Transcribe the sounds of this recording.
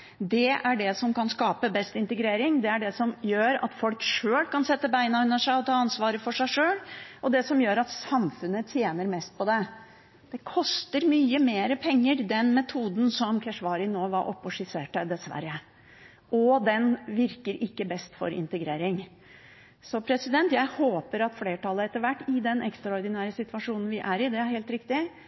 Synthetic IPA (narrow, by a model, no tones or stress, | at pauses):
d̪ɛæɖɛsɔmkʰɑnskɑːpəbɛst̪ɪnt̪əɡɾeːɾɪŋd̪ɛæɖɛsɔmjøːɾɑ̰t̪fɔlkʂøːlkɑnsɛt̪ːəbæɪnɑʉnəʂæɪɔt̪ʰɑːɑnsʋɑːɾəfɔʂæɪʂøːlɔd̪ɛsɔmjøːɾɑt̪sɑmfʉnːət̪ʰjeːnəɾmɛst̪̚pʰɔd̪ɛ | d̪̥ɛkʰɔst̪əɾmyːəmeːɾəpʰɛŋːəɾd̪ɛnmɛt̪ʰuːd̪n̩sɔmkʰæʂʋɑːɾɪnoːʋɑɾʔɔ̰pːɔʂɪseːʈəd̪ɛsʋæ̰ɾːə | ʔɔd̪ɛnʋɪɾkəɾɪkːəbɛst̪fɔ̰ɾɪ̰nt̪əɡɾeːɾɪŋ | sɔpʰɾɛsɪd̪ɛnt̪jæɪhoːpəɾɑt̪fleːʈʰɑlːəɛt̪ːəɾʋæʈːɪd̪ɛnʔɛkst̪ɾɑɔɾd̪ɪnæːɾəsɪt̪ʋɑʂuːnn̩ʋɪʔæɾɪd̪ɛæɾheːlt̪ɾɪkt̪ɪ